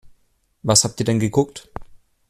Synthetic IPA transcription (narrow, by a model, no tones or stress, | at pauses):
vashaːp̚tiːɐdɛnɡəɡʊkt